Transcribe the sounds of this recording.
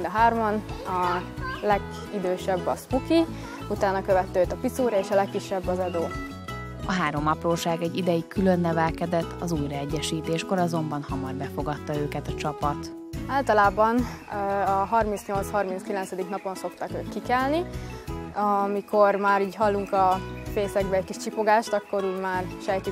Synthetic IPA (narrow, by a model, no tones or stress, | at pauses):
d̪ɒɦaːrmɒnɒlɛɡ | id̪øːʃɛbːɒspuki | ut̪aːnːɒkøvɛt̪ːøːt̪ɒpit̪suːɾɒeːʃɒlɛkːiʃːɛbːɒzɛd̪oː | ɒɦaːɾo̞mɒproːʃaːɡɛɟːid̪ɛjikylønːɛvɛlkɛd̪ɛt̪ːɒzuːjɾɒɛɟːɛʃiːt̪eːʃko̞ɾɒzo̞mbɒnhɒmɒrbɛfo̞ɡɒt̪ːɒøːkɛt̪ɒt͡ʃɒpɒt̪ | aːlt̪ɒlaːbɒnɒɦɒrmint̪sɲo̞lt̪shɒrmint̪skilɛnsɛd̪iknɒpo̞nso̞kt̪ɒkøːkkikɛlni | ɒmikʰo̞rmaːɾiːɟɦɒlːuŋkɒfeːsɛɡbɛːckiʃt͡ʃipo̞ɡaːʃt̪ɒkːo̞ɾiːɟmaːrʃɛjk̪i